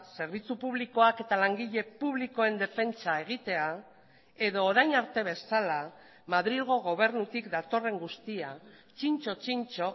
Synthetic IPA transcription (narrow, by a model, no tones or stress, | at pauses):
se̞ɾβ̞it͡supuβliko̞ake̞t̪alaŋɡiʎe̞puβliko̞e̞nd̪e̞fe̞nt͡sae̞ɣ̞it̪e̞a | e̞ðo̞ːɾajnaɾt̪e̞β̞e̞sala | mað̞ɾilɣo̞ɣ̞o̞β̞e̞ɾnut̪ikd̪at̪o̞re̞ŋɡust̪ia | t͡ʃint͡ʃo̞t͡ʃint͡ʃo̞